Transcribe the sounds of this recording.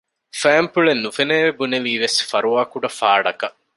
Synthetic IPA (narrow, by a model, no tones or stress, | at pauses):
fæːmpuɭenːufeneːʋebuneʋiːʋesfɐɾuaːkuɖɐfaːɖɐkɐ